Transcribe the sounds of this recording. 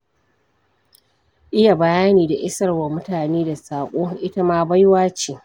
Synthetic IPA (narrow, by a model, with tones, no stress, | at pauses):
ʔɪ˦ja˨bɐ˨jaː˦niː˨da˨ʔɪ˦sɐ˦rwa˨mʊ˦taː˨neː˦da˨saː˨kʷʼoː˦ʔɪ˦tɐ˦maː˦ba˦jwaː˦t͡ʃeː˨